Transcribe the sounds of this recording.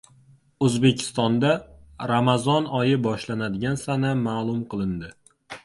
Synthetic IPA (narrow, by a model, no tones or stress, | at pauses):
ɵzbe̞kʲʰɪ̥st̪ɒnd̪aɾamazɒnɒjɪbɒʃlanad̪ɪɡʲansanamaːlˠʊmqʰɨlˠɪnd̪ɪ